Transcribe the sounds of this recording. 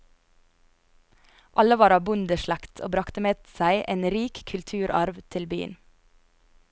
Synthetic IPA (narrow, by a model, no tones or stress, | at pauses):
ʔɑləʋɑːɾɑːbʊnd̪əʃɭækt̪ʰoːbɾɑkt̪əmeːsæɪʔeːnɾiːkkʰʉlt̪ʰʉːɾʔɑɾʋt̪ʰɪlby̰ːə̰n